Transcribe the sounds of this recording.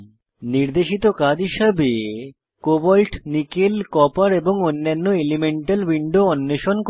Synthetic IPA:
niɾd̪eʃit̪okad͡ʑɦiʃabe | kobɔlʈnikelkɔpaɾeboŋonːanːoelimeɳʈalwiɳɖoɔnːeʃonk

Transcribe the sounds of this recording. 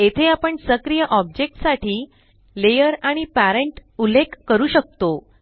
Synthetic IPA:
et̪ʰeapəɳsəkɾijəʔɔb̚d͡ʑek̚ʈsaʈʰiː | lejəɾaɽ̃ipæɾeɳʈulːekːəɾuːɕək̚t̪o

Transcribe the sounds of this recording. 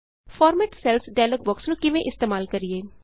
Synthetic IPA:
fʰɔːɾmɛːʈsɛlsɖajləkʋəksnũːkɪʋẽʔɪst̪eːmaːlkəɾieː

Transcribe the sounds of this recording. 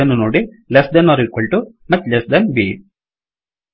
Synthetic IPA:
ɐnunuːɽi | lesd̪ɐnːɔɾikoɭʈu | mɐt̪lesd̪ɐnbḭː

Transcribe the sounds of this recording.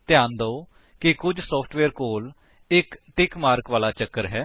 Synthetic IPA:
t̪ɪjãːnd̪oː | kɪkʊd͡ʒsɔːpʰʈʰʋɛːɾkoːl | ɪkʈɪkmaːɾkʋaːlaːt͡ʃəkːəɾɦɛː

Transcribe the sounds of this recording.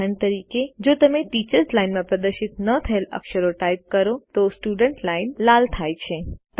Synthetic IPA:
əɳt̪əɾiked͡ʒot̪əmeʈit͡ʃəɾslainmãpɾəd̪əɾʃit̪nət̪ʰəelə̰kʃəɾoʈaip̚kəɾot̪osʈuɖəɳʈlainlalt̪ʰajt͡ʃʰet̪

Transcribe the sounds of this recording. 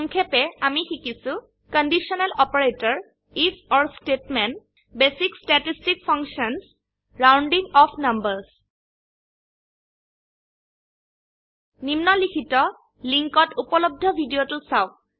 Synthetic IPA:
ɔŋkʰɛpɛamixikisʊ | kɔndisɔnɛlɔpɔɹetɔɹ | ifʰɔɹstetmɛn | besikstatistikpʰɔŋksɔns | ɹawnɖiŋɔpʰnambəɹs | nimnɔlikʰitɔ | liŋkɔtupɔlob̚dʱɔbʱidiotusaʊ̃

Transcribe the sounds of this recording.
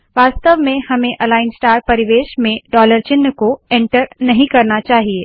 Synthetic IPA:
ʋaːst̪əʋmẽhɐmẽʔɐlaːɪnsʈaːɾpɐɾɪʋeːʃmẽɖɔːləɾt͡ʃɪnːəkoẽɳʈəɾnɐɦĩkɐɾnat͡ʃaːɦieː

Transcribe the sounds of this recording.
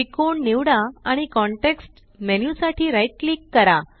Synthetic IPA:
ikoɳniʋɽaaɽ̃ikɔɳʈeksʈ | menjusaʈʰiːɾajʈ̚likːəɾa

